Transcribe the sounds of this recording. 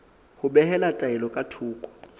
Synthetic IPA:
hʊbɛhɛlatʼaɛlɔkʼatʰuːkʼɔ̥

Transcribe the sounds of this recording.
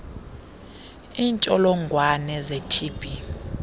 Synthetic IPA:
iːnt͡ʃʼɔlɔŋɡʱwanɛzetʰiːb̥ʱi

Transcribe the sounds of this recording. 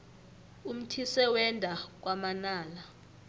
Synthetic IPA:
um̩tʰisɛwɛndʱak̬wamanaːla

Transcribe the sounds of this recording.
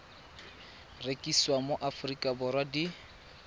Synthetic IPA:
rekʼiswamoʔafʊrikʼabʊɾwadi

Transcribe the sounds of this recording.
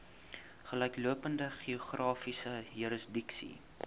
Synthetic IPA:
χəlɛjkluəpəndəχioχrɑːfisəjuɾəsdiksḭ

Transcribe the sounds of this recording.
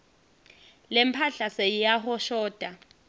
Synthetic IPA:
lɪm̩pʰaɬasejaɦʊʃɔːd̥ʱʼa

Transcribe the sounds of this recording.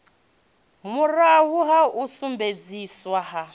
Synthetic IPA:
murawuɦausumbed͡ziswaɦa

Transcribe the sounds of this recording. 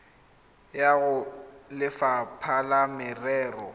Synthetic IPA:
jaɣʊlɪfapʰalamɪrɛːrɔ

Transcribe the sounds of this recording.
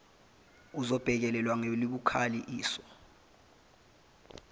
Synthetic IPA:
uzɔb̥ʱɛk̬ɛlɛlwaŋeliɓukʰaliʔiːsɔ

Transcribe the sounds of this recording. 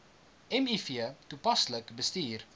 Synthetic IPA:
ɛmifiətupɐsləkbəstiːr

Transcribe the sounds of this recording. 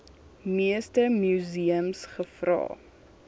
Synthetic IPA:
miəstəmjuziəmsχəfrɑ̰ː

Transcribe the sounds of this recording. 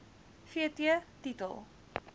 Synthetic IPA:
fiətiətitə̰lˠ

